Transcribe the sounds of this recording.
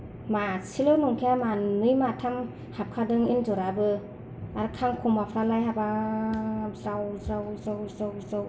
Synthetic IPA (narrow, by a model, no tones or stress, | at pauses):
masilɯnɔŋkʰeamanɯjmatʰam | hap̚kʰadɯŋind͡ʒɔɾabɯ | aɾkʰaŋkʰɔmapʰɾalajɦaba | zɾawzawzawzawzaw